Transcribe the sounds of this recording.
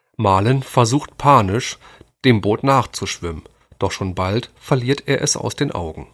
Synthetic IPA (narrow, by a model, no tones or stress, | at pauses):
maːlənfɛɐzuːxtpʰaːnɪʃd̥eːmboːtnaːχt͡suʃv̥ɪmən | d̥ɔχʃoːnbaltfɛɐliːɐtʰeːɐʔɛsa̰ʊsd̥eːnʔa̰ʊɡŋ̩